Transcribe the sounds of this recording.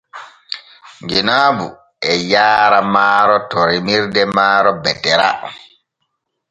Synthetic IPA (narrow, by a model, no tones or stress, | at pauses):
ŋɡinaːbṵ | ɛjaːɾamaːɾɔtɔɾimiɾdɛmaːɾɔbɛtːɛɾa